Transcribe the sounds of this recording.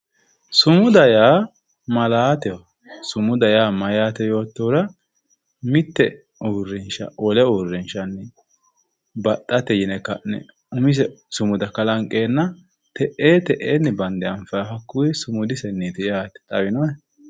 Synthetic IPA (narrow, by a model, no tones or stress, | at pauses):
sʊmʊd̪ɐjaː | mɐlaːt̪ɛɔ | sʊmʊd̪ɐjaːmɐjaːt̪ɛjo̞ːt̪ːoːɾɐ | mɪt̪ːɛ | urːɪnʃɐ̰ʔɔlɛuːrːɪnʃɐnːɛ | bɐt̪ʼːɐt̪ɛjɪnɛkːɐnɛ̰ | ʊmɪs̬ɛsʊmʊd̪ɐkɐlɐŋkʼeːnːɐ | t̪ɛʔeːt̪ɛʔeːnːɛbɐnd̪ɛɐɱfɐjfɐkːʊwɪsʊmʊd̪ɪsɛnːiːt̪ɪjaːt̪ɛ̥t̪ʼɐbɪnɔɛ